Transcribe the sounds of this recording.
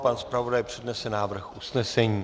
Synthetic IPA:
panspɾavo̞dajpr̝̥ɛdnɛsɛnaːvr̩xʔusnɛsɛɲiː

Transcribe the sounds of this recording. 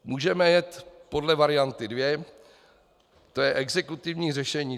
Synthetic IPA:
muːʒɛmɛjɛt̪po̞dlɛvaɾɪjant̪ɪdvjɛ | t̪o̞jɛʔɛɡzɛkut̪ɪvɲiːrɛʃɛɲiː

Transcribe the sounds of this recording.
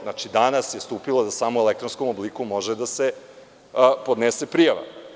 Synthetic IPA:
nat͡ʃid̪anasjest̪uːpilod̪asaːmoelek̚t̪ɾonskomoblikumo̞ʒed̪ase | pod̪nesepɾijaʋa̰

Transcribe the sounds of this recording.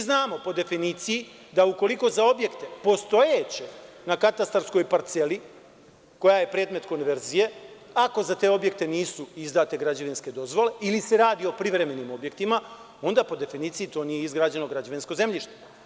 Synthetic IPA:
znaːmo̞po̞d̪e̞finiːt̪sijid̪auko̞liko̞zao̞bje̞kt̪e̞po̞st̪o̞jet͡ɕenakat̪ast̪aɾsko̞jpaɾt̪se̞li | ko̞jaje̞pɾe̞ːd̪me̞t̪ko̞nʋe̞ɾzije̞ | ako̞zat̪e̞o̞bje̞k̚t̪e̞niːsuizd̪aːt̪e̞ɡɾad͡ʑaʋinske̞d̪o̞zʋo̞le̞ilise̞ɾaːd̪io̞pɾiʋɾe̞me̞nimo̞bje̞kt̪ima | o̞nd̪apo̞d̪e̞finiːt̪sijit̪o̞ːnijeizɡɾaːd͡ʑe̞no̞ɡɾad͡ʑaʋinsko̞ze̞mʎiʃt̪e̥

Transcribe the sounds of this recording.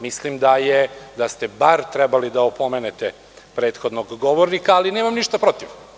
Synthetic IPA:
mislimd̪ajed̪ast̪ebaɾt̪ɾɛbalid̪aopomeːnet̪e | pɾe̞ːt̪xo̞d̪noɡːoʋoɾnikaːlineːmamniʃt̪apɾo̞t̪iʋ

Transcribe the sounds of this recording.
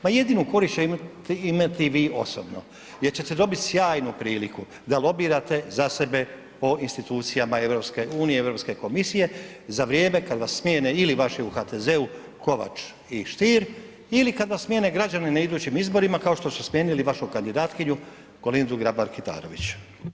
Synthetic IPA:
maje̞d̪iːnuko̞ɾist͡ɕeimt̪iimat̪iʋiːʔo̞̰so̰bno̞̰ | je̞ɾt͡ɕet̪e̞d̪o̞bit̪sjaːjnupɾiːliku | d̪alˠo̞biːɾat̪e̞zase̞be̞ | po̞inst̪it̪uːt̪sijamae̞ʋɾo̞pske̞ʔuːnijeeʋɾo̞pske̞ko̞misije̞zaʋɾjeːme̞kad̪ʋassmjeːneiliʋaʃeuxat̪eze̞u | ko̞ʋa̰t͡ʃ | iʃt̪iːɾ | ilikad̪ʋasmje̞ːne̞ɡɾad͡ʑanenaid̪uːt͡ɕimizbo̞ɾimakao̞ʃt̪o̞susmje̞ːniliʋaʃukand̪id̪aːt̪kiɲu | ɡ̥o̞lind̪uɡɾabaɾkit̪a̰ːɾo̞̰ʋit͡ɕu̥

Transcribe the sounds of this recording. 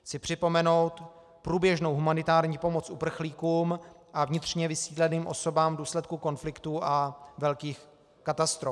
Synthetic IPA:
xt͡sɪpr̝̥ɪpo̞mɛno̞wt̪ | pɾuːbjɛʒno̞wɦumanɪt̪aːɾɲiːpo̞mo̞t͡sʔupr̩xliːkuːm | ʔavɲɪt̪r̝̥ɲɛvɪsiːdlɛniːmʔo̞̰so̞baːmduːslɛt̪̚kuko̞nflɪkt̪uʔavɛlkiːx | kat̪ast̪ɾof

